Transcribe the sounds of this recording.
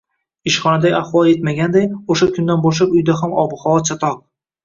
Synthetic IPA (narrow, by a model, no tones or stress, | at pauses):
ɪʃχɒnad̪ajaχwɒlˠet̪maɡʲand̪ajoʃakʲʰʊnd̪anbɒʃ̬apʊjd̪aɦamɒ̰bɨχɒwɒt̪t͡ʃʰat̪ʰɒq̚